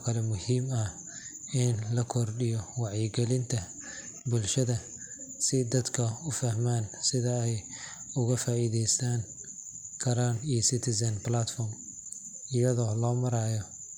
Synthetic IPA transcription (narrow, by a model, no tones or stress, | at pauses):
kʰɐlɛmʊhiːmɐ | ɪnlɐkʰɔrɖɪjɔwɑʕjɛɡɛlɪnt̪ʰɐ | bʊlʃɐðɐ | sɪd̪ɐd̪kʰɐʊfɐhmaːnsɪðɐɛj | ʊɣɐfaːiːðɛjst̪aːn | kʰɐɾaːnijɔsɪt̪ʰɪsɐnblat̪fɔːrm | ɪjɐðɔːlɔːmɐɾaːjɔ